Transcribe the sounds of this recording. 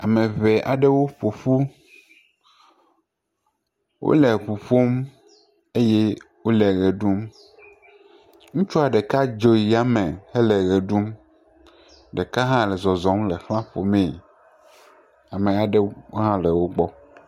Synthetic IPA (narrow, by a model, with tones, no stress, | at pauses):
a˨mẽ˨ve˨ʔa̰˨ɖe˦wo˦ɸo˨ɸu˦ | wʔo̰˦lɛ˨ɸu˨ɸo˦m | e˦je˦wo˦lɛ˨ɣe˨ɖu˦m | ŋũ˦t͡ʃu˦a˨ɖɛ˨ka˦d͡ʒo˨ji˨a˦me˨he˦lɛ˨ɣɛ˨ɖu˦m | ɖe˨ka˦ɦã˦lɛ˨zɔ˨zɔ̃˨˦mle˨xlã˦ɸo̰˨mɛ̃˨ | a˨me˨a˨ɖɛ˦wo˦ɦã˦lɛ˨wo˦ɡ͡bɔ˦